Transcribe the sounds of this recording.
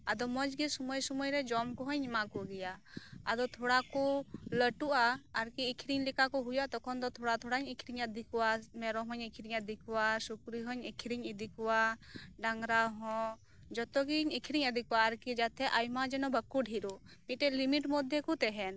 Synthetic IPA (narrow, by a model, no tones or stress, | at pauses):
ad̪ɔmɔd͡ʒɡisɔmɔjsɔmɔjɾɛd͡ʒɔmkɔɦɔɲmakɔɡɛjaa̰d̪ɔt̪ʰɔɽakɔləʈuʔaːɾkiːkʰɾiɲlikakɔɦujat̪ɔkʰɔnd̪ɔt̪ʰɔɽat̪ʰɔɽaɲikʰɾiɲəd̪ʱikɔwamɛɾɔɦɔɲikʰɾiɲəd̪ʱikwasukɾiɦɔɲikʰɾiɲid̪ʱikɔwaɖaŋɾaɦɔ̃ | d͡ʒɔt̪ɔɡiɲikʰɾiɲəd̪ʱikwaːɾkid͡ʒat̪ʰɛʔajmad͡ʒɛnɔbʱəkːuɖʱiɾu | miʈɛlimiʈmɔd̪ʱjɛkɔt̪ɛɦɛn